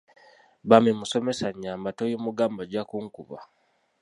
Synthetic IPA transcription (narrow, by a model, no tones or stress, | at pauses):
βamimuso̞mesaɲːaːmbatojomuɡaːmbaɟakuŋkuβa̰